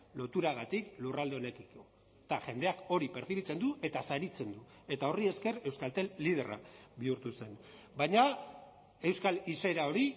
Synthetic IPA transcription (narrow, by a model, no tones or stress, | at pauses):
lo̞t̪uɾaɣ̞at̪iklurald̪e̞o̞ne̞kiko | t̪aʝe̞nd̪e̞ako̞ɾipe̞ɾθiβit͡se̞nd̪uʔe̞t̪asaɾit͡se̞nd̪u | e̞t̪ao̞rie̞ske̞re̞wskalt̪e̞ːið̞e̞ra̰βiuɾt̪use̞n | bajɲa | e̞wskalise̞ɾao̞ɾi